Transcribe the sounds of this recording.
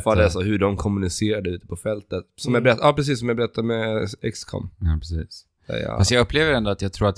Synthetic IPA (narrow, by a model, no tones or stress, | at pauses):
fald̪ɛsɔhɵɖɔmkʰɔmɵnɪseːɾad̪əʉːt̪ə̥pʰɔfɛlt̪ət̪sɔmjabɛɾɛt̪ːɑːpɾɛs̬iːsːɔmjabɛɾɛt̪ʰːad̪mɛɛkskʰɔ̰mːpʰɾɛsiːs | ɛ̰j̰fasjɑɡɵpʰːleːvəɾɛnd̪oat̪jɑɡt̪ʰɾuːɾat̪